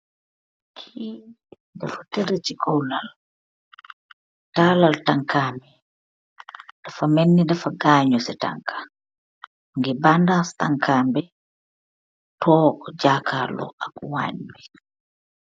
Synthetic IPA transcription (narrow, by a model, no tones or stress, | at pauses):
kʰi | dafatɛɾet͡ʃikɔwlal | taːlaltaŋkaːmbɛ | d̥afamenːidafaɡaːɲɔsɛta̰ŋkʰḁ | ŋɡɛbandastaŋkʰaːmbɛ | tɔd͡ʒaːkʰalɔ̰ʔakɔwa̰ɲbɛ